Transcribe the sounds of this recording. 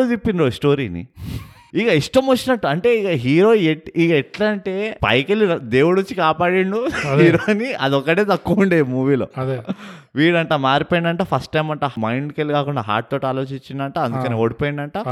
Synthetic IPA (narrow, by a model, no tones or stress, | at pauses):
ut̪ipːinɾosʈoːɾḭːnḭ | ikɐiʂʈɐmʋot͡ʃːinɐʈːuɐɳʈe̞ːikaɦiːɾo̞ːeikɛʈlɐɳʈe̞ːpɐ̰jkelid̪e̞ːwuɽut͡ʃːikaːpaːɽiɳɖuɦiːɾoːniɐd̪ɔkːɐɽeːt̪ɐkːuuɳɖeːmuːʋiːlo̰ː | ʋiːɽɐɳʈamaːɾipoːjiɳɖɐɳʈaːpʰɐsʈʈɐjmɐɳʈaːmɐjɳɖkelikaːkuɳɖaːɦa̰ːɾʈ̚t̪oːʈaːlo̞ːt͡ʃiɲt͡ʃːind̪ɐɳʈaːɐnuukɐneːoːɽipoːjiɳɖɐɳʈaː